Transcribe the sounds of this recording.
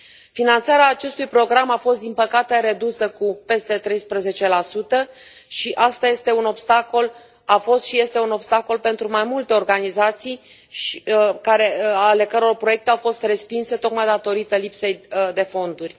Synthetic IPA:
finant̪saɾeaːt͡ʃe̞st̪ujpɾo̞ɡɾamafo̞st̪d̪inpəkat̪e̞ɾe̞d̪usəkupe̞st̪e̞t̪ɾe̞jspɾəze̞t͡ʃe̞lasut̪ə | ʃiʔast̪aje̞st̪e̞uno̞bst̪ako̞l | afo̞st̪ʃije̞st̪e̞uno̞bst̪ako̞lpe̞nt̪ɾumajmult̪e̞o̞rɡanizat̪sij | ʃkaɾe̞ale̞kəɾo̞rpɾoje̞k̚t̪e̞awfo̞st̪re̞spinse̞t̪o̞kmajd̪at̪o̞ɾit̪əlipse̞jd̪e̞fo̞nd̪urʲ

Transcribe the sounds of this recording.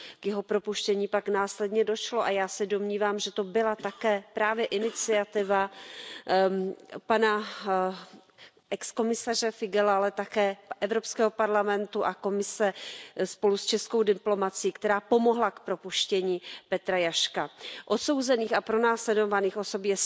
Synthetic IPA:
kjɛɦo̞pɾo̞puʃcɛɲiːpaknaːslɛdɲɛdo̞ʃlo̞ʔajaːsɛdo̞mɲiːvaːmʒɛt̪o̞bɪlat̪akɛːpɾaːvjɛʔɪnɪt͡sɪat̪ɪva | pana | ʔɛksko̞mɪsar̝ɛfɪɡɛlaalɛt̪akɛːʔɛvɾo̞pskɛːɦo̞paɾlamɛnt̪uʔako̞mɪsɛspo̞lust͡ʃɛsko̞wdɪplo̞mat͡sɪjiːkt̪ɛɾaːpo̞mo̞ɦlakpɾo̞puʃcɛɲiːpɛt̪ɾajaʃkaʔot̪so̞wzɛniːxapɾo̞naːslɛdovaniːxʔo̞so̞pjɛs

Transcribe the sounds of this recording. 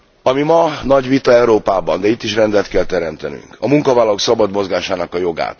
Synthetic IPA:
ɒmimɒnɒɟʋit̪ɒɛuɾoːpaːbɒnd̪ɛit̪ːiʃrɛnd̪ɛlt̪kɛlt̪ɛɾɛmt̪ɛny̰ŋkɒmuŋkɒvaːlːɒlo̞ksɒbɒd̪mo̞zɡaːʃaːnɒkɒjo̞ɡa̰ːt̪

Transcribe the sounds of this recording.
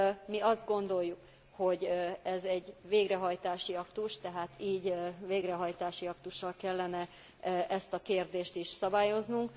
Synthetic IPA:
miɒzd̪ɡo̞nd̪o̞jːuk | ho̞ɟɛzɛɟveːɡrɛɦɒjt̪aːʃiɒkt̪uʃt̪ɛɦaːt̪iːɟveːɡrɛɦɒjt̪aːʃiɒkt̪uʃːɒlkɛlːɛnɛ | ʔɛst̪ɒkeːrd̪eːʃt̪iʃsɒbaːjo̞znuŋk

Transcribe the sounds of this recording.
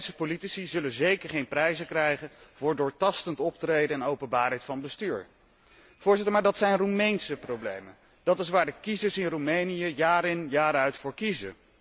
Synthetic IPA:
səpolitisizɵlənzejkəɹχejnprɛjzəkrɛjχənvʊːɹdʊːɹtɑstəntɔp̚trejdəɛnowpənbaːɹɦɛjtfɑnbəstyːɹ | v̥ʊːɹzɪtəɹmaːɹdɑtsɛjnrumejnsəprowblḛjmən | d̥ɑtɪs̬ʋaːɹdəkizəɹsɪnrumejnijəjaːɾɪnjaːɾœɥtfʊːɹkizə̰

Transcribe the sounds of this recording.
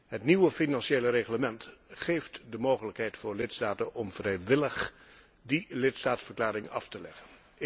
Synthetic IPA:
ɦətniʋəfinɑnʃejləreχləmɛntχejftdəmowχələkɦɛjtfʊːɹlɪtstaːtənɔmv̥rɛjʋɪləχ | dilɪtstaːtsfəɹklaːɾɪŋɑ̰ftəlɛ̰χən

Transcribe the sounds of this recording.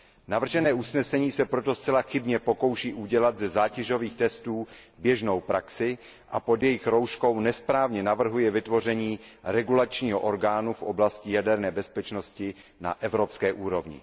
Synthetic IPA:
navr̩ʒɛnɛːʔusnɛsɛɲiːsɛpɾo̞t̪o̞st͡sɛlaxɪbɲɛpo̞ko̞wʃiːʔuɟɛlad̪zɛzaːcɛʒo̞viːxt̪ɛst̪uːbjɛʒno̞wpɾaksɪ | ʔapo̞d̪jɛjɪxɾo̞wʃko̞wnɛspɾaːvɲɛnavr̩ɦujɛvɪt̪vo̞r̝ɛɲiːɾɛɡulat͡ʃɲiːɦoʔoɾɡaːnufʔo̞blascɪjadɛɾnɛːbɛspɛt͡ʃno̞scɪ | na̰ʔɛvɾo̞pskɛːʔuːɾo̞vɲɪ̰

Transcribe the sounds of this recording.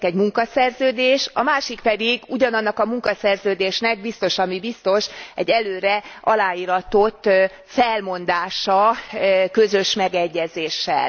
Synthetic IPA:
kɛɟmuŋkɒsɛrzøːd̪eːʃɒmaːʃikpɛd̪iɡuɟɒnɒnːɒkɒmuŋkɒsɛrzøːd̪eːʃnɛɡ̚bist̪o̞ʃɒmibist̪o̞ʃɛɟːɛløːɾɛɒlaːiːɾɒt̪o̞t̪ː | fɛlmo̞nd̪aːʃɒ | køzø̞ʃmɛɡɛɟːɛzeːʃːɛ̰l

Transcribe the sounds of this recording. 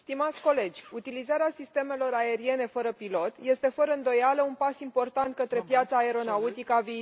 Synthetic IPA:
st̪imat̪sʲko̞le̞d͡ʒʲut̪ilizaɾeasist̪e̞me̞lo̞ɾae̞ɾie̞ne̞fəɾəpilo̞t̪je̞st̪e̞fəɾəɨnd̪o̞jaləunpasimpo̞rt̪ant̪̚kət̪ɾepjat̪saeɾo̞naut̪ikəaviː

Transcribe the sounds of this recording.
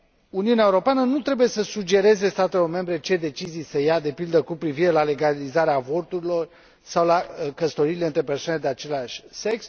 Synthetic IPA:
uniuneaeuɾo̞peanənut̪ɾe̞buje̞səsud͡ʒe̞ɾe̞ze̞st̪at̪e̞lo̞rme̞mbɾe̞t͡ʃe̞d̪e̞t͡ʃizijsəjad̪e̞pild̪əkupɾiviɾe̞lale̞ɡalizaɾeavo̞rt̪uɾilo̞r | sawlakəst̪o̞ɾiːle̞ɨnt̪ɾe̞perswaned̪e̞at͡ʃe̞laʃʲse̞ks

